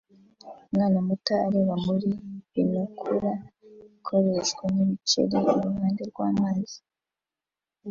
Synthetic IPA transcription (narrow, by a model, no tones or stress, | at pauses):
umŋaːnamutaːɾeβamuɾiβinukʰuɾaikʰo̞ɾe̞ʃɡwenimit͡ʃḛɾeiɾumaːndeɾɡwaːmaːzi̥